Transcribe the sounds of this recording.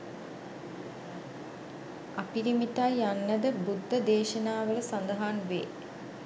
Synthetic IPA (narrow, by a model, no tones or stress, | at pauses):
apiɾimit̪ajanːəd̪əbud̪ʱːəd̪eːʃənaːʋələsand̪əɦaːnʋḛː